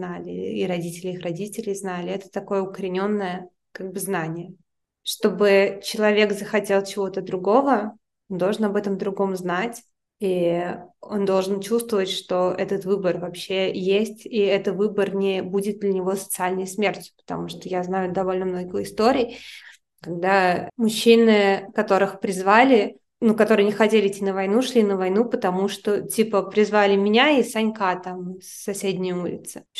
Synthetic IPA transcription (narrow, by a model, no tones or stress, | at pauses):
nalʲɪ̰iɾɐdʲitʲɪlʲɪixrɐdʲitʲɪlʲɪjznalʲɪɛt̪ə̥t̪ɐko̞jəʊkəɾʲɪnʲo̞nːəjə | kaɡ̚bɨznanʲɪjə | ʂt̪o̞bɨt͡ɕɪlˠɐvʲe̞kzəxɐtʲe̞lˠt͡ɕɪvo̞t̪əd̪ɾʊɡo̞və | ond̪o̞lˠʐɨnɐbɛt̪əmd̪ɾʊɡo̞mznatʲ | i | o̞nd̪o̞lˠʐɨnt͡ɕust̪vəvətʲʂt̪o̞ʔɛt̪ət̪vɨbərvɐpɕːejesʲtʲiɛt̪əvɨbərnʲɪbudʲɪt̪̚d̪lʲənʲɪvo̞sə̥t̪sɨalʲnəjsmʲertʲjʊ̥pə̥t̪ɐ̰muʂt̪ojaznajʊd̪ɐvo̞lʲnəmno̞ɡʲɪxɪst̪oɾʲɪj | kɐɡ̚d̪amʊɕːinɨkɐt̪o̞ɾɨxpɾʲɪzvalʲɪ | nukɐt̪oɾɨjənʲɪxɐtʲelʲɪɪtʲːinəvɐjnuʂlʲinəvɐjnupət̪ɐmuʂt̪otʲipəpɾʲɪzvalʲɪmʲɪnʲaisɐnʲkat̪amsːɐsʲedʲnʲɪjulʲɪ̰t̪sɨ̥